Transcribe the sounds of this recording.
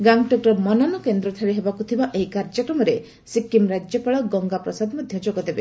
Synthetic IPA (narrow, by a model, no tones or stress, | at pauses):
ɡaŋɡʈɔkɾɔmɔnanɔkend̪ɾɔt̪ʰaɾeɦebakut̪ʰibaʔeɦjkaɾd͡ʒɔkɾɔmɔɾe | sikːimɾad͡ʒjɔpaɭɔɡɔŋɡapɾɔsad̪mɔd̪ʱjɔd͡ʒoɡɔd̪ebe